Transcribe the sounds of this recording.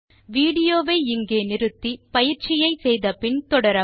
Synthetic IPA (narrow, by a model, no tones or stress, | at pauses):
ʋiːɽɪjoːʋɐɪɪŋɡeːnɪɾɯt̪ːipɐjɪɾt͡ʃɪjɐɪsɛjðɐpɪɳt̪ɔɽɐɾɐ